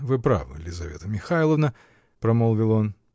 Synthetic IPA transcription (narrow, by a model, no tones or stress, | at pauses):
vɨpɾa̰vɨ̰lʲɪzɐvʲet̪əmʲɪxajlˠəvnə | pɾɐmolˠvʲɪlˠon